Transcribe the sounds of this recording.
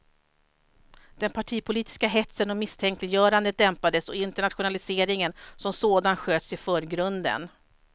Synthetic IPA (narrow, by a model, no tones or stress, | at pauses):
d̪̥ɛnpʰaʈʰiːpʰʊliːt̪ɪ̥skaɦɛt̪sənɔmɪst̪ʰɛŋklɪjœːɾand̪ət̪̚d̪ɛmpad̪əsɔɪnt̪ɛɳat̪ɧʊnalɪseːɾɪŋənsɔmsoːd̪anɧøːt̪sɪfœːɾɡɾɵnd̪ə̰n